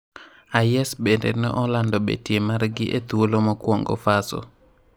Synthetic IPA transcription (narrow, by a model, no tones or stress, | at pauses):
ajɛsbendḛnɛʔɔlandɔbḛtjemaɾɡɪʔet̪uolomɔkwoŋɡɔ̰fasɔ̰